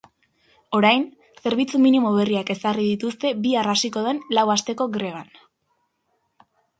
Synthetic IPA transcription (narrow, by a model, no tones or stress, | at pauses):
o̞ɾajn | se̞ɾβ̞it͡suminimoβ̞e̞riake̞sariðit̪ust̪e̞biarasiko̞ð̞e̞nlawast̪e̞ko̞ɡɾe̞β̞an